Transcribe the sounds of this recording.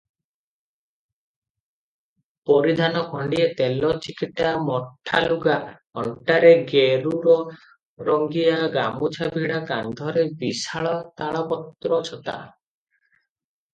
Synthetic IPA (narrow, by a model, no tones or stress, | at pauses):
pɔɾid̪ʱanɔkʰɔɳɖiet̪elɔt͡ʃikiʈamɔʈʰːa̰luɡa | ɔ̰ɳʈaɾeɡeɾuɾɔ | ɾɔŋɡiaɡamut͡ʃʰabʱiɽakand̪ʱɔɾebisaɭɔt̪aɭɔpɔt̪ɾɔt͡ʃʰɔt̪a̰